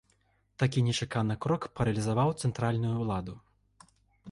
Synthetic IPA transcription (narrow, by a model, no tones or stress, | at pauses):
t̪akʲinʲɛt͡ʂakanɨkɾɔkpɐɾɐlʲizavawt̪sɛnt̪ɾalʲnujulˠad̪u